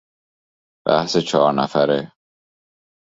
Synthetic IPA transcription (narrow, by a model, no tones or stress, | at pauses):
b̥æ̰hset͡ʃʰɒːɾnæfæɾe